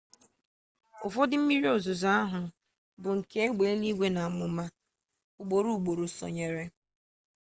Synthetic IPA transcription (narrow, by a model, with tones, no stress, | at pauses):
ʊ˨fɔ˦dɪ˦m̩˦mi˦ɾi˦o˨zʊ˨za˦a˦ɦʊ˨ | bʊ˨ŋ̩˨ke˦e˦ɡ͡be˨e˦ni˦ɡʷe˦na˨a˨mʊ˨ma˦ | ʊ˨ɡ͡bo˨ɾu˦˨ɡ͡bo˨ɾo˨sɔ̰˨ɲe˨ɾe˦